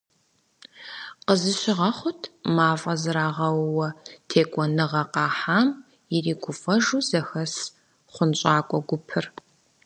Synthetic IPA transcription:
qəzɨɕɪʁɐχʷʊtʰmaːfʼɐzɨɾaːʁɐwwɐtʰeːkʷʼɔnɨʁɐqɑːħaːm | jɪriːɡʷʊfɐʒuːzɐxɐs | χʷʊnɕʼaːkʷʼɔɡʷʊpʰɨr

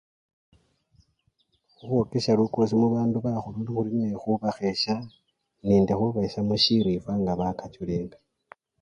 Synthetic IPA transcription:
xuβwokeʃaluko̞s̬imuβaːnduβaxuluːndixulinexuβaxe̞ʃa | niːndexuβaeʃamuʃiɾifwaŋɡaβakat͡ʃuleːŋɡa

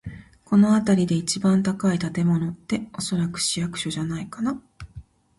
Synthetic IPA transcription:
ko̞no̞at̪aɾʲid̪e̞it͡ɕibãnt̪akait̪at̪e̞mo̞no̞t̪ːe̞o̞so̞ɾakɯ̟̥ɕijakɯ̟̥ɕo̞ʑanaikana

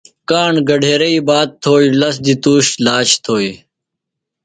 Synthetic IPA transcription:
kaːɳɡɐɖʱeːɾɐibaːt̪̚t̪ʰoːilɐs̬d̪it̪uːɕlaːt͡ɕt̪ʰoːi

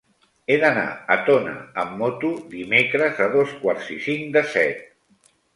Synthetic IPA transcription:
eðəna̰ət̪onə̰əmːot̪uðimekɾəzəðoskwaɾzisiŋd̪əsɛt̪̚

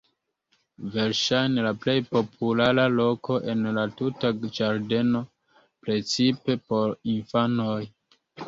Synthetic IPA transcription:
ve̞ɾʃajnelaplejpo̞pʰulaɾalo̞ko̞ʔe̞nlatutad͡ʒaɾde̞no̞ | pɾe̞t͡sipe̞po̞ɾinfano̞j

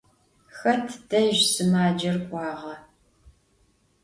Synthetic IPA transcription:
xɐrtʰd̥ɐʒsɨmaːd͡ʒɐrkʷʼɑːʁɐ

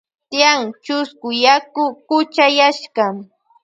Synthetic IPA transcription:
t̪jaŋt͡ʃʊskʊjakʊkʊt͡ʃajaʃɢɑm

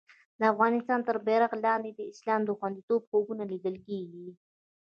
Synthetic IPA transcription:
d̪̥əafɣɑnɪst̪ɑnt̪əɾbɛɾaɣlɑnd̪ed̪əɪslɑmd̪əxwand̪it̪obxobunalid̪əlkeɡi

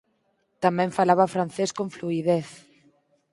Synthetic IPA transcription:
t̪amɛ̃ɱfalaβafɾan̟θeskõɱfluiðeθ

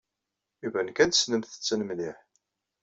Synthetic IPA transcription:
ivænkæd̪snəmθə̥t͡sːənəmliħ

